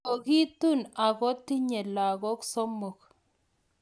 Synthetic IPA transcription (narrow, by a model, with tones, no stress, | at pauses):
o˨ɣi˦t̪u˦˨na˨ɣɔ˦t̪i˦ɲe˨la˨ɣɔ˦ksɔ˦mo˨k